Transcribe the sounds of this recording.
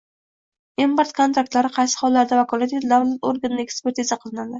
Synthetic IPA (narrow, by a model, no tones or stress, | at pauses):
empoɾt̪̚kʰont̪ɾak̚t̪laɾɪqʰɑjsɪ̥χɒlːaɾd̪avakʰɒlˠat̪et̪d̪avlat̪oɾɡannɪekspe̞ɾt̪ʰizaqʰɨlˠɪnad̪ɪ